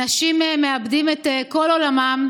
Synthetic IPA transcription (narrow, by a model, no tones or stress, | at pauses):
aʃimemeabdimet̪eko̞lolamam